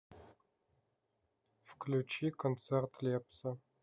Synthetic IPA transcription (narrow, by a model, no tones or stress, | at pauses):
fkʰlut͡ʃʰiːkʰont͡sʰert̪ʰleːpsɐ